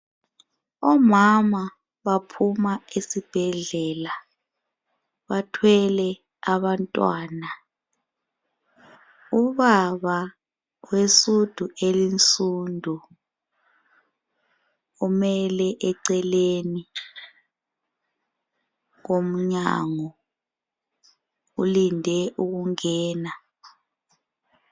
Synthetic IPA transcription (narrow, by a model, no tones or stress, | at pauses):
ɔmama | βapʰumaesib̥ʱɛɮɛːla | βatʰwɛlɛ | aβantʼwa̰ːna | uβaβa | wesud̥ʱuʔelint͡sʼundʱu | umɛlɛʔɛǀɛleni | ŋ̬om̩ɲa̰ŋɔ | ulindʱɛʔuɣuŋɛːna